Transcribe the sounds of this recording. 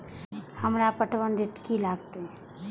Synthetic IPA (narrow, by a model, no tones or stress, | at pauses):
həmɾapəʈʰwənɾeʈkilaːɡt̪eɦɛ̃ː